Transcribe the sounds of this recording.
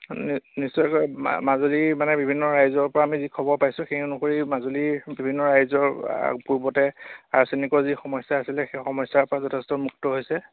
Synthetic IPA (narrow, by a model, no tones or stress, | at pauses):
nnisːɔjkɔjmazolimanɛbibʱinːɔɹajzɔɹpɔɹaːmizikʰɔbɔɹpajsʊ̃xenʊkoɹimazolibibʱinːɔɹajzɔɹ̰puɹbɔtɛaɹsenikɔɹzixɔmɔjsːaːsilɛxexɔmɔjsaɹpɔɹazɔtʰɛstɔmuktɔɦojsɛ